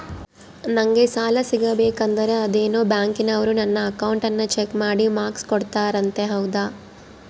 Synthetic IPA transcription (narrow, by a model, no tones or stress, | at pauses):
nɐŋɡe̞saːlɐsiɡɐbɛːkɐnd̪ɐɾe̞ɐd̪eːnoːbjaːŋkinɐʋɐɾunɐnːɐːkɐwɳʈɐnːɐt͡ʃekmaːɽimaːkskoɽt̪aːɾɐnt̪e̞ɦɐwd̪a